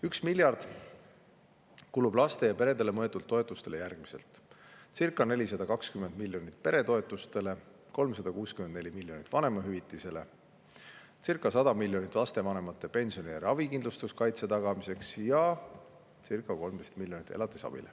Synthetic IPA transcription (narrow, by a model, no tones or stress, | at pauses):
yksmilʲjɑrd̪̥ | kulub̥lɑst̪e̞jɑpe̞ɾe̞d̪̥e̞lemɤet̪ːˑult̪ːo̞et̪ːˑust̪e̞le̞jærɡ̥mise̞̰lt̪ˑsirkˑːɑne̞lʲis̬ɑd̪̥ɑkɑkskymend̪̚milʲːjo̞nit̪̚pe̞ɾe̞t̪o̞et̪ːˑust̪e̞le̞ | ko̞lms̬ɑd̪ɑkuːskymend̪ne̞lʲimiljo̞nit̪ːˑvɑne̞mɑɦyvit̪ːˑise̞le̞ | t͡sirkːˑɑsɑd̪̥ɑmilʲːjo̞nʲit̪lɑst̪e̞vɑne̞mɑt̪ːˑe̞pe̞nʲsioniæɾɑvikind̪lust̪uskɑjt̪se̞t̪ɑɡ̥ɑmise̞ksjɑ | sirkːˑɑko̞lmd̪e̞st̪milʲːjonit̪ːe̞lɑt̪ːˑi̥sɑ̰b̥ḭle